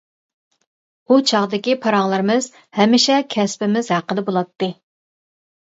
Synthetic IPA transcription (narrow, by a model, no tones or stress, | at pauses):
ut͡ʃʰɑʁd̪ɪkʲipʰɑɾɑŋlˠɨɾɨmɨz | hɛmːɪʃɛkʲʰɛspɪmɪzhæqəd̪ɛbolˠɑt̪ːɨ